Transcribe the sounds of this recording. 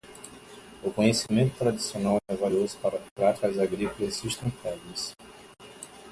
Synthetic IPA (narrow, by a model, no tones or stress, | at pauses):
ʊkõɲesimẽnt̪ʊ̥t̪ɾad͡ʒ̪isionawɛvaʎjozʊ̥paɾɐpɾat͡ʃ̪ikɐzaɡɾikolɐzsuʃt̪ɐ̃nt̪avɐs